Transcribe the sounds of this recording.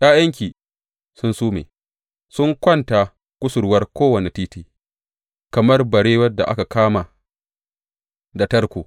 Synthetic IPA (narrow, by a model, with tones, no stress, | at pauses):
jʲʼaː˦jɐ˦ŋk̬ʲiː˨ | sʊ˦nsuː˦mḛː˨ | sʊ˦ŋkʷɐ˦nta˨ | kʷʊ˦sʊ˨ɾwɐ˦rkʷoː˦wɐ˨ne˨tiː˦tiː˦ | kɐ˨mɐ˦rbɐ˨ɽeː˦wɐ˦da̰˨ʔa̰˦ka˨kʰaː˦ma˨ | da˨tɐ˦rkʷoː˨